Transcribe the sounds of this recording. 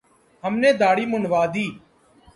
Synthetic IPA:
ɦəmnẽːd̪aːɽiːmʊnʋaːd̪iː

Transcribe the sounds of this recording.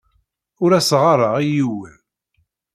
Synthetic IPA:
ʊɾæsʁɑɾˤɑʁijiwəð

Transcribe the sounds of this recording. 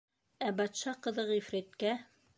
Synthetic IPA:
æbɑt̪ʃɑqɤ̆ðɤʁifɾæt̪kæ

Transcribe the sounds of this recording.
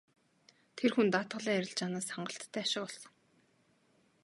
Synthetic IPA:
t̪ʰerxunt̪aːt̪ɢə̆ɮiːŋæɾʲɪ̆ɮt͡ɕaːnaːsaɴɢə̆ɬt̪ʰːæːaʃɪ̆qɔɮsɞ̆ŋ

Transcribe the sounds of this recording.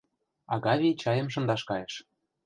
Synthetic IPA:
ɑɣɑβʲijt͡ɕɑjə̆mʃ̬ɤ̆nd̪ɑʃkɑjĕʃ

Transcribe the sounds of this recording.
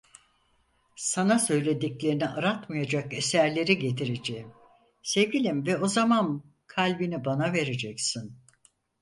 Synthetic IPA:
sanasø̞jlʲe̞d̪iclʲe̞ɾiniʔaɾat̪majad͡ʒake̞sæɾlʲe̞ɾiɟe̞t̪ʰiɾed͡ʒeim | se̞vɟʲilʲimvɛo̞zaman | kʰalʲbinibanave̞ɾe̞d͡ʒɛcsin

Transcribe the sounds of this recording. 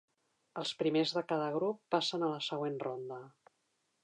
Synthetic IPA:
əlˠspɾimezðəkað̞əɣ̞ɾupːasənələsəɣ̞wenrond̪ə

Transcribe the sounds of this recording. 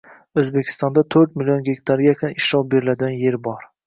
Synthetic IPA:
ɵzbekʲʰɪ̥st̪ɒnd̪at̪ʰɵɾt̪̚mɪlijonɡʲekʲt̪ʰaɾɡʲakʰʲʊnɪʃɾɒlˠbe̞ɾɪlad̪ɪɡʲanje̞ɾbɒɾ

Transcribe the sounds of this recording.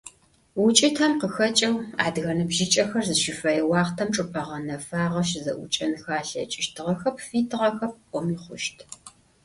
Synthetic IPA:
wʊt͡ʃʼɪtʰɐmqəxɐt͡ʃʼɐwa̰ːdɣɐnɨbʒɪt͡ʃʼɐxɐrzɨʃɪfɐjɛwɑːχtʰɐmʈ͡ʂʼɨpʼɐʁɐnɐfaːʁɐʃzɐ̰ʔʷʊt͡ʃʼɐnxaːɬɐ̰t͡ʃʼɪʃtʰɨʁɐxɐp̚ʰfiːtʰɨʁɐxɐp̚ʷɔmiːχʷʊʃtʰ

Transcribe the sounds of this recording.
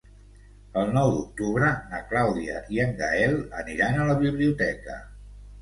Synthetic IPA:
əlˠnɔwd̪uk̚t̪uβɾənə̰klawðiə̰iəŋɡaɛlˠəniɾanələβiβliut̪ɛkə̰

